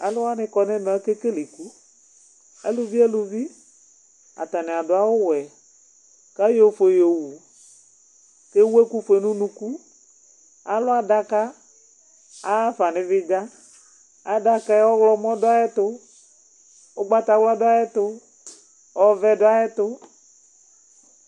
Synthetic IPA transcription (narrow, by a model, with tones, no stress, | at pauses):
a˨lʊ˦a˦nɪ̃˦kɔ˨nɛ̃˦m˨a˦ke˦ke˦li˨ku˦ | ḛ˦lu˦vi˦ɛ˦lu˨vi˦ | a̰˨t̪a˨nɪ̃˨a˨dʊ˨a˦wʊ˦wɛ˨ | ka˦jo˦˨˦fe˨jo˨wu˨ | ke˦wu˦e˦ku˦fe˨nũ˦nũ˦ku˦ | a˨lʊ˦a˨da˦ka˦ | a˦fa˨nɪ̃˨vɪ˦ɡa˦ | a˨da˨ka˦wɔ˦wlɔ˦mɔ̃˦dʊ˦a˦jɛ˦t̪ʊ˦ | o˦ɡ͡ba˦t̪a˨wla˦dʊ˦a˦jɛ˦t̪ʊ˦ | ɔ˦vɛ˦dʊ˦a˦ɛ˦t̪ʊ˦